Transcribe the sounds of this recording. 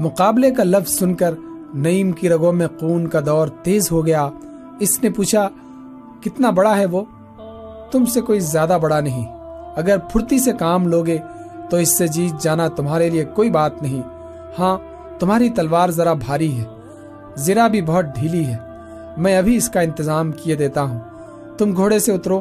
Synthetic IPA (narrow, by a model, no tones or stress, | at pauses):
mʊqaːblekalɐfʰz̥sʊnkəɾ | nɐiːmkiɾɐɡõmẽquːnkad̪ɔːɾt̪eːzɦoɡɐja | ɪsnepuːt͡ʃʰa | kɪt̪nabɐɽaɦɛʋoː | t̪ʊmsekoːizjaːd̪abɐɽanɐɦĩɐɡəɾpʰʊɾt̪isekaːmloːɡe | t̪oɪsːed͡ʒiːt̪̚d͡ʒaːnat̪ʊmɦaːɾeliekoːibaːt̪nɐɦĩ | hãː | t̪ʊmɦaːɾit̪ɐlʋaːɾzɐɾabʱaːɾiɦɛː | zɪɾabʱibɔɦʊt̪̚ɖʱiːliɦɛː | mɛ̃ɐbʱiɪskaɪ̃nt̪ɪzaːmkied̪eːt̪aɦũː | t̪ʊmɡʱoːɽeseʊt̪ɾoː